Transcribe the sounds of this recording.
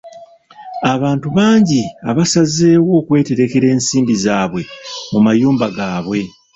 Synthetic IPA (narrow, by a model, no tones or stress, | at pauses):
aβaːntuβaːɲɟiaβasaze̞ːwo̞ːkwe̞ːte̞ɾe̞ke̞ɾe̞ːnsiːmdizaːβwe̞mumajuːmbaɡaːβwe̞